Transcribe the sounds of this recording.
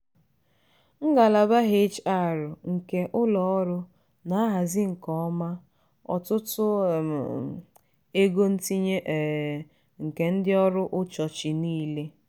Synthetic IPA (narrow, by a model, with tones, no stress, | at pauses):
ŋ̩˦ɡa˨la˨ba˦ɦe˦t͡ʃa˦˨ɾʊ˨ŋ̩˨ke˨ʔʊ˦lɔ˨ɔ˦ɾʊ˦ | na˨a˦ɦa˨zɪ˦ŋ̩˨kɔ˦ɔ˦ma˦ | ɔ̰˨tʊ˦tʊ˦˨ | e˦ɡo˦n̩˦ti˦ɲe˦ʔ | ŋ̩˨ke˨n̩˦dɪ˦ɔ˦ɾʊ˦ʔʊ˦t͡ʃɔ˨t͡ʃɪ˨niː˦le˦